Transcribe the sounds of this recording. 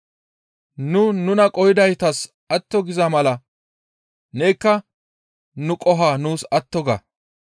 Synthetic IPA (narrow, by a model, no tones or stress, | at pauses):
nʊnʊnɐkʼɔjɪd̪ɐjt̪ɐs | ɐt̪ːɔɡɪzɐmɐlɐ | neːkːɐ | nʊkʼɔɦaːnuːsɐt̪ːɔɡɐ̰